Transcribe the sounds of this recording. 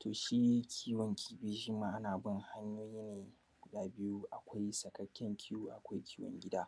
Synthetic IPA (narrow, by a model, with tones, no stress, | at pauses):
tʰoː˨ʃiː˦kʲʰiː˦wɐ˨ŋkʲʰiː˦bi˦ʒɪ˦mːaː˦˨ʔa˦naː˨bɪ˦ŋha˦ɲjoː˦jiː˦neː˨ | kʷʊ˨ɗaː˦bɪ˦ju˦ʔa˨kʷa˦jsɐ˨kɐ˦kʲːɛ˦ŋkʲʰɪ˦juː˦ʔa̰˨kʷa˦jkʲiː˦wɔ̰˨ŋɡʲɪ˦daː˦